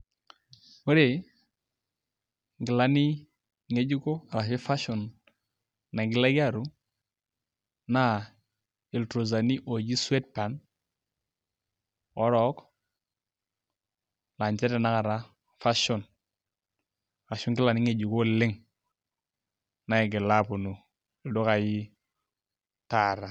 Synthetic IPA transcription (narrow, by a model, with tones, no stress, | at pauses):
o˦ɾe˨ | ŋ˨ɡɪ˨la˦ni˦ | ŋe˦d͡ʒu˦ko˦a˨ɾa˨ʃi˦fa˦ʃɔ˨nː | a˨ɡɪ˨la˦ɡa˦˨ɾu˦ | a˦ | i˨ltɾo˨z̬a˨ni˦ʔo˨d͡ʒi˦swe˦t̚pa˨n | ɔ˦ɾɔ˨˦k | la˨ɲt͡ʃɛ˦tɛ˨na˦ka˨ɾa˦ | fa˦ʃɔ˨n | a˨ɾa˨ʃʊ˦ŋkɪ˦la˨ni˦ŋe˨d͡ʒu˨ko˦lɪ˦ŋ | na˨ɪ˨ɡɪ˨la˦pu˨nu˨ | ɪ˨ldo˦ka˨ji˦ | ta˨ɾa˨